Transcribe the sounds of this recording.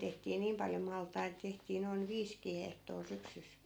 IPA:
tehtiː niːm pɑljo mɑltˑɑit tehtiː noin ʋiːskiː hehtoː syksys

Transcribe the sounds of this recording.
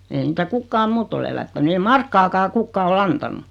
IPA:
eːĭ niːtæ kukːɑːm muːtː ol elætːæny ei mɑrkːɑkɑː kukːɑː olː ɑntɑnˑu

